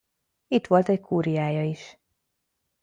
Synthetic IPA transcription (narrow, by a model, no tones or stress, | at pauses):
it̪ʋo̞lt̪ɛckʰuːɾijaːjɒiʃ